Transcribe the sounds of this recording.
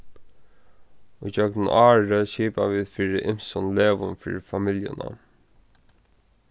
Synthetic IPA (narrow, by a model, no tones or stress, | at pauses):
ud͡ʒœknɪnaːɹəʃiːpaʋiːðfiːɹɪʔɪm̥sɔnleːʋʊnfḭːɹɪfamɪljə̰na̰